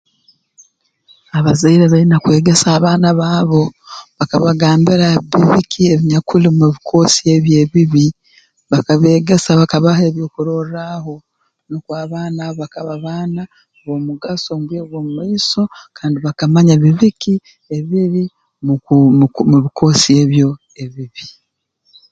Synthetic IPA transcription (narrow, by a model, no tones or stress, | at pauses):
aβazaiɾeβainakwe̞ːɡe̞saːβaːnaβaːβo̞βakaβaɡaːmbiɾaβiβikʰie̞βiɲakulimuβikʰo̞sie̞βje̞ːβiβi | βakaβe̞ːɡe̞saβakaβaheːβjo̞ːkuɾo̞raho̞ | nokwaːβaːnaoβakaβaβana | βo̞muɡasomɡeɡwoːmumaiso̞kʰaːndiβakamaɲaβiβiki | e̞βiɾi | m | muβikʰo̞sie̞ːβjo̞ | e̞βiβi